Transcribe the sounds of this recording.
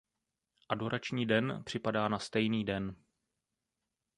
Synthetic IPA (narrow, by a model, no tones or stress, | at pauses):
ʔado̞ɾʔat͡ʃɲiːdɛnpr̥ɪpadaːnast̪ɛjniːdɛn